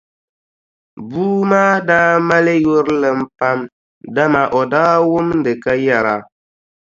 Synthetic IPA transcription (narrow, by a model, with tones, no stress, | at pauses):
buː˦maː˦daː˦ma˦le˦jo˦ɾlɨ˨m̩˦pa˦m | da˦ma˨ʔɔ˨daː˦wʊ˦mn̩˦dɨ˨ka˦ja˨ɾa˨